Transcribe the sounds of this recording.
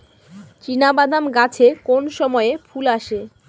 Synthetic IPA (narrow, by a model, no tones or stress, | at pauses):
t͡ɕinabad̪ʱamɡat͡ɕʰekonʃɔmɔefʰulaʃe